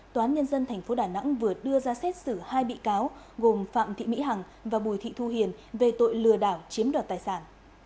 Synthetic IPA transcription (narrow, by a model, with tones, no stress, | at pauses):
t̪ːaː˨˦nɲə˧nzə˧nt̪ʰɛ˨˩ŋ̟fo˨˦ɗaː˧˩na̰˧˥ŋvɨ˨˩əɗɨ˧əzaː˧sɛ˦˥t̚sɨ˧˩haː˧jɓḭ˧˨kaː˨˦w | ɣo˨˩mfa̰ː˧˨mt̪ʰḭ˧˨mḭ˧˥ɦa˨˩ŋ | vaː˨˩ɓu˨˩jt̪ʰḭ˧˨t̪ʰu˧˩ɦi˨˩ənve˨˩t̪o̰˧˨jlɨ˨˩əɗaː˧˩wt͡ɕi˨˦əmɗɔ˨˩t̪̚aː˨˩jsaː˧˩n